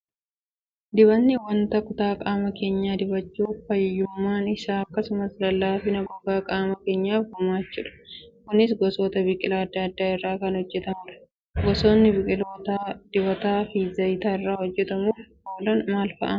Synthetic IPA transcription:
d̪ɪbɐnːɪwɐnt̪ɐkʊt̪aːkʼaːmɐke̞ːɲːaːd̪ɪbɐt͡ʃːuːfɐjjːʊmːaːnɪsaːɐkːɐsʊmɐslɐlːaːfɪnɐbɔɡaːkʼaːmɐke̞ːɲːaːfɡʊmaːt͡ʃːuːᶑɐ̥kʊnɪs̬ɡɔsoːt̪ɐbɪkʼɪlaːɐd̪ːɐɐd̪ːaːɪrːaːkɐnhɔd͡ʒːɛt̪ɐmʊᶑɐ̥ | ɡɔso̞ːnːɪbɪkʼɪloːt̪ad̪̥ɪbɐt̪aːfiːzɐjt̪aːɪrːaːhɔd͡ʒːɛt̪ɐmuːfhoːlɐnmaːlfɐ̰ʔɐ

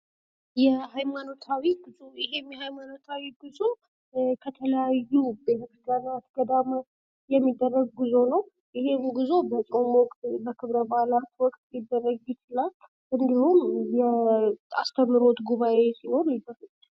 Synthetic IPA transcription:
jɛhajmano̞t̪ʰawiɡɨojɪɦemjɛhajmano̞t̪ʰawiɡɨzo̞ | kʰət̪ʰələjajːubeh̪əɡanat̪ɡ̥əd̪amə | jɛmːid̪ːərːəɡ̚ɡɨzo̞nəw | jɪhe̞mɡɨzo̞bət͡ʃʼomɔkʼt̪bəkʰɨβɾəbaalat̪wɔkʼt̪jid̪ːərːəɡut͡ʃlal | ʔɨnd̪ihumjɛa̰st̪ʰəmːɨɾo̞t̪ɡuβaʔe̞sino̞njɪb̪əɾɨt͡ʃː

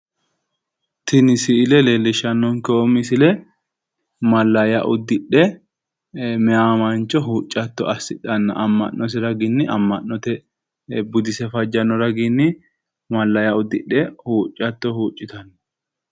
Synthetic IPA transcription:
t̪ɪnɪsɪɪlɛlelːɪʃɐnːɔŋkɛɔmɪsɪlɛ | mɐlːɐjɐʔʊd̪ːɪɗɛ | mɛaːmɐnt͡ʃʼːɔɦuːt͡ʃʼːɐt̪ːɔ̰ʔɐsːɪᶑɐnːɐ̰ʔɐmːɐ̰nːɔs̬ɛɾɐɡɪnːɪʔɐmːɐnːɔt̪ɛ | bʊd̪ɪsɛfɐd͡ʒːɐnːɔɾɐɡɪnːɪ | mɐlːɐjɐʊd̪ːɪɗːɛhuːt͡ʃʼːɐt̪ːɔhuːt͡ʃʼːɪt̪ɐnːɐ̥

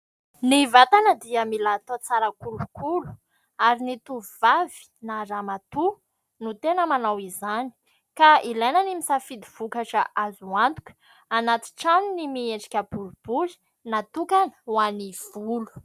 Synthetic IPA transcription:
nivat̪anəd̪iamilat̪ot͡saɾəkulukʰulu̥ | aɾinit̪uvavi̥naɾamat̪u | nut̪enəmanawizani̥ | kailajnanimisafid̪iv̥ukaʈ͡ʂəʔazuant̪u̥kʲə̥ | anat̪i̥ʈ͡ʂaninimieɳɖ͡ʐi̥kʲabulub̥uzi̥ | nat̪ukanəwaniv̥ulu̥

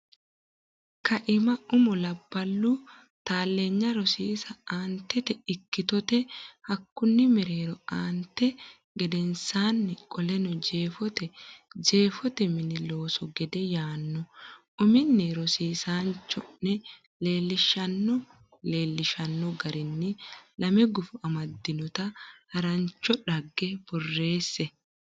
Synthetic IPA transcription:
kɐʔɪmɐʊmɔlɐbːɐlːu | t̪aːlːe̞ːɲːɐɾɔsiːsɐaːnt̪ːɛt̪ɛɪkːɪt̪ɔt̪ɛhɐkːʊnːɪmɛɾe̞ːɾɔaːnt̪ːɛ | ɡɛd̪ɛnsaːnːɛkʼɔlɛnɔd͡ʒe̞ːfɔt̪ɛd͡ʒe̞ːfɔt̪ɛmɪnɪloːsɔɡɛd̪ɛjaːnːɔʔʊmɪnːeɾɔsiːsaːnt͡ʃːɔnːɛ | le̞ːlːɪʃɐnːɔ | le̞ːlːɪʃɐnːɔɡɐɾɪnːɪlɐmɛɡʊfʊɐmɐd̪ːɪnɔt̪ɐhɐɾɐnt͡ʃːɔᶑɐɡːɛb̥ɔrːe̞ːsːɛ

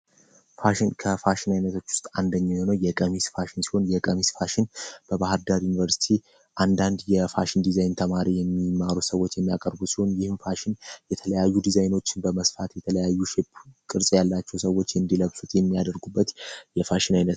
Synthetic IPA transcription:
faʃɪnkʰəfaʃɪnajnət̪ʰot͡ʃːwʊ̥st̪ʼand̪əɲːahonəwjɛkʼəmisfaʃɪnsi̥ho̞njɛkʼəmisfaʃɪnb̥əbahɨɾd̪aɾjunivəɾsi̥t̪ʰi | ʔand̪and̪jɛfaʃɪnd̪izajnt̪ʰəmaɾijɛmːimaɾusəwːo̞t͡ʃːjɛmːijakʼəɾbusiho̞njɪhɨmfaʃɪnjɛt̪ʰələjajːud̪izajno̞t͡ʃːɪnbəməsfat̪jɛt̪ʰələjajːuʃɛpkʼɨɾsʼjalːat͡ʃːɛwsəwo̞t͡ʃːɨnd̪iləβsut̪jɛmːijad̪əɾɡubːət̪jɛfaʃɪnajnət̪

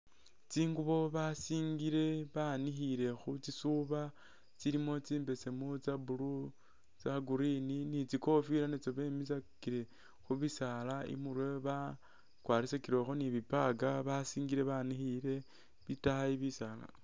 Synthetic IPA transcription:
t͡siːŋɡuβo̞βasiːŋɡiɾe̞βanixiɾe̞xut͡sisuβa | t͡siɾimo̞t͡siːmbe̞se̞mut͡sabulu | t͡saɡuɾininit͡siko̞fiɾanet͡soβe̞mis̬akiɾe̞ | xuβisalaḭmuɾweβa | kwaːɾisakiɾo̞xoniβipaɡaβasiːŋɡiɾe̞βanixiɾe̞ | βitahaiβisala̰

